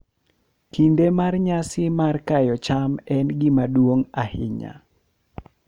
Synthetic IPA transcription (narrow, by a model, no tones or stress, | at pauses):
kindemarɲasɪmarkajɔt͡ʃamɛnɡɪmadwoŋahɪ̰ɲa̰